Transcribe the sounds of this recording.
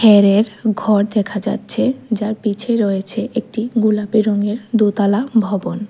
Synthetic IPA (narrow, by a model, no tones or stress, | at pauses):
hʰɛɾeɾɡʱɔɾd̪ɛkʰad͡ʑa̰tːɕʰed͡ʑaɾpit͡ɕʰeɾoet͡ɕʰeʔek̚ʈiɡulapiɾoŋeɾd̪ut̪alabʱɔbon